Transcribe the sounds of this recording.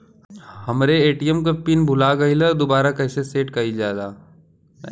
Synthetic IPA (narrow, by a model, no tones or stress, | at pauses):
hɐmɾeeːʈijəmk̬ɐpinbʱʊlaɡɐilɐd̪obaːɾakɐːseseːʈkɐid͡ʒaːd̪aː